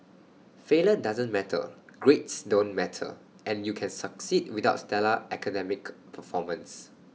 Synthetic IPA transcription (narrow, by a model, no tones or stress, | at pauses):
felədazə̃nmɛtʰə̰ɡ̥ɹetsdõnmɛtʰə̰ | ʔɛ̃njukʰɛ̃nsəksid̚widaʊtstɛləʔɛkədɛmɪkpʰəfɔmə̃ns